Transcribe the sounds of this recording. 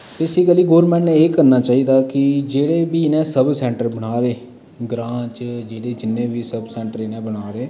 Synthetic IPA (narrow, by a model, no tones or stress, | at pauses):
t̪esiːkəliːɡoːɾmɛ̃ːɳʈnẽeːkəɾnaːt͡ʃaːiːd̪aːkɪd͡ʒeːɽeːbiːɪnẽːsəbsɛ̃ːɳʈəɾbəɽ̃aːd̪eː | ɡɾãːt͡ʃd͡ʒeːɽeːd͡ʒɪnːẽːʋiːsəbsɛ̃ːɳʈəɾɪneːbəɽaːd̪eː